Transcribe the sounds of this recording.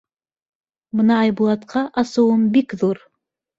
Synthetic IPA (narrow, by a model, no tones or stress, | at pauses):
mɨnɑːjbulˠɑt̪qʰɑʔɑsowəmbikðuɾ